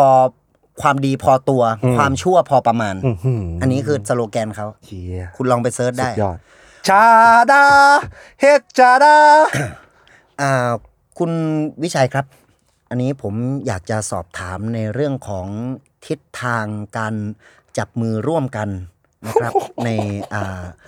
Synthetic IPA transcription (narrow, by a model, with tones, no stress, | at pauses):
pʰɔː˧ | kʰwaː˧mdiː˧pʰɔː˧t̪u˧ɐkwaː˧mt͡ɕʰu˥˩ɐpʰɔː˧pa˧maː˧nʔa˧nːiː˦˥kʰɯː˧sa˧loː˧kɛː˧nkʰa˦˥w | kʰu˧nlɔː˧ŋpa˧jsɤː˦˥t̪̚daː˥˩j | t͡ɕʰaː˧daː˧ | he˨˩t̪̚t͡ɕʰaː˧daː˧ | ʔaː˧˩ | kʰu˧nwi˦˥t͡ɕʰa˧jkʰɾa˦˥p̚ | ʔa˧nːiː˦˥pʰo˩˦mjaː˨˩k̚t͡ɕa˨˩sɔː˨˩p̚t̪ʰaː˩˦mna˧jɾɯ˥˩əŋkʰɔː˩˦ŋ | t̪ʰi˦˥t̪ʰːaː˧ŋkaː˧n | t͡ɕa˨˩p̚mɯː˧ɾu˥˩əmka˧nː | a˦˥kɾa˦˥na˧jʔaː˨˩